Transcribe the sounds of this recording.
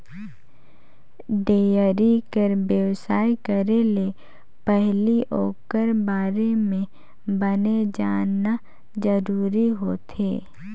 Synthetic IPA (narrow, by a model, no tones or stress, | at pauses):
d̪eːjəɾikəɾbjəwsaːikəɾele | pɛɦliʔoːkəɾbaːɾemẽ | bəned͡ʒaːna | d͡ʒəɾuːɾiɦoːt̪ʰeː